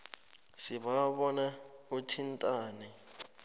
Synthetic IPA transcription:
siɓaɓɔnautʰintʼaːnɛ

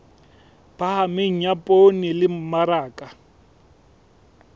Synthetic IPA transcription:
b̥ahamɪŋ̩ɲapʼonɪlɪm̩maɾaːkʼa

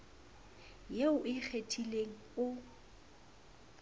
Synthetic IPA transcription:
jeʊʔɪk͡xʰetʰʼileŋ̩ʊ

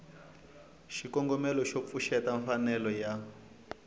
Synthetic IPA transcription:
ʃikɔŋɡɔmɛlɔʃop̪fuʃɛtaɱfanɛlɔja

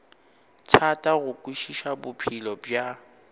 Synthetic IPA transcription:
tʰatʼaɣʊkʼwiʃiʃabʊpʰilɔbja

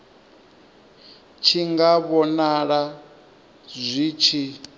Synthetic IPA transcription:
t͡ʃʰiŋɡaβɔnaɺa | zʷit͡ʃʰi

